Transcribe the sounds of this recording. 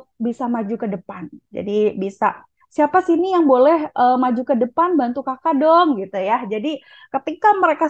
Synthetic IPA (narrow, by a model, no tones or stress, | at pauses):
bisamad͡ʒukədəpand͡ʒa̰dibisa | siapasinijaŋbolɛɦʔəːmad͡ʒukədəpanbant̪ukakadɔŋɡit̪ujad͡ʒadi | kət̪ikaməɾeka